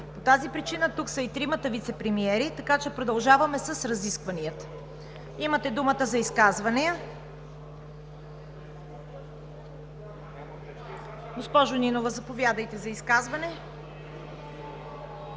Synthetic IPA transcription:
pot̪azipɾit͡ʃinət̪uksɐit̪ɾimət̪əvit̪sɛpɾɛmiɛɾit̪ɐkat͡ʃɛpɾod̪ɐlˠʒavɐmɛsəsɾɐziskvɐniət̪ə̥ | imət̪ɛd̪umət̪əzɐiskazvɐniə | ɡospɔʒʊninovəzɐpovʲjad̪əjt̪ɛzɐiskazvɐnɛ

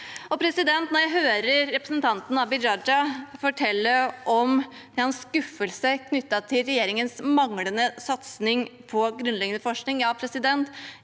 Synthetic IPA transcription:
ɔpʰɾɛsɪd̪ɛnt̪nɔɾjæɪɦøːɾəɾɾɛpɾəsənt̪ʰɑnt̪n̩ɑbɪɾɑd͡ʒɑfɔʈʰɛlːəɔm | d̪̥ɛhɑnsskʉfːəlsəkʰnʏt̪ːɑt̪ʰɪlɾɛjeːɾɪŋənsmɑŋlənəsɑt̪snɪŋpʰɔɡɾʉnlɛɡənəfɔʂknɪŋjɑpʰɾɛsɪd̪ɛnt̪

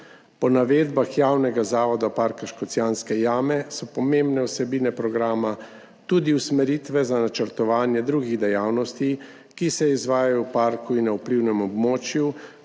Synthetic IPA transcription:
pɔnaʋeːd̪baxjawnɛɡazaːʋɔd̪apaɾkaʃkɔt̪sjaːnskɛjaːmɛsɔpɔmembnɛwsɛbiːnɛpɾɔɡɾaːma | t̪ud̪iwsmɛɾiːt̪ʋɛzanat͡ʃəɾt̪ɔʋaːnjɛd̪ɾuɡiɣd̪ɛjawnɔst̪i | kisɛizʋaːjajɔwpaːɾkuinːaupliwnɛmɔbmoːt͡ʃju

